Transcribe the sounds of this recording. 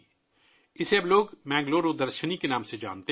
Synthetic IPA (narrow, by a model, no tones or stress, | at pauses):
ɪseɐbloːɡmɛ̃ːŋɡloːɾoːd̪əɾʃənikenaːmsed͡ʒa̰ːnt̪e